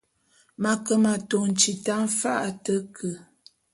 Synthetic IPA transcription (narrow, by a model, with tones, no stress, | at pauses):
ma˨kə˦ma˨to˨n̩˨t͡ʃi˨ta˦m̩˦fa˦ʔtə˨˦kʰə˨